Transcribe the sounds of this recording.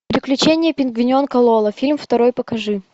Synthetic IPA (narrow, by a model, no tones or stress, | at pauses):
pɾʲɪklʲʉt͡ɕenʲɪjəpʲɪnɡvʲɪnʲonkɐlˠolˠəfʲilʲmft̪ɐɾo̞jpəkɐʐɨ